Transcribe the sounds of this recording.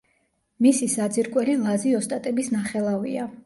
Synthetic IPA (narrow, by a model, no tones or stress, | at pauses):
misisad̪ziɾkʼwɛlilˠaziɔst̪ʼat̪ʼɛbisnaχɛlˠavḭa